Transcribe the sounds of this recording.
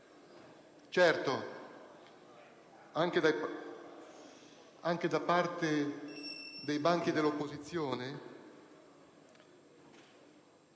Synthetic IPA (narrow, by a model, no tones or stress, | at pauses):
t͡ʃɛrt̪o | aŋk̟ed̪a | aŋk̟ed̪apart̪e | d̪ejbaŋk̟id̪elːopːozit̪sːjoːne